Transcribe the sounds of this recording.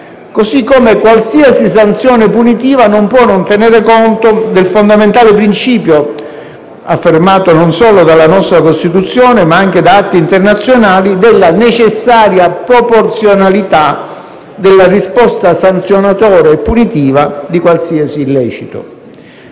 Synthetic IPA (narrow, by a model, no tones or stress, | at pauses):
kosikːomekwalsiasis̬ant̪sjɔːnepunit̪iːvanompwɔnːont̪eneːɾekont̪od̪elfond̪ament̪aːlepɾint͡ʃiːpjo | afːermaːt̪ononsɔːlod̪alːanɔst̪ɾakost̪it̪ut̪sːjɔːnemaaŋk̟ed̪aat̪ːiːnt̪ernat̪sːjonaːlid̪elːanet͡ʃesːaːɾjapɾoport̪sjonalit̪a | d̪elːarispɔst̪asant̪sjonat̪ɔːɾeːpːunit̪iːvad̪ikwalsiːasilːɛːt͡ʃit̪o̰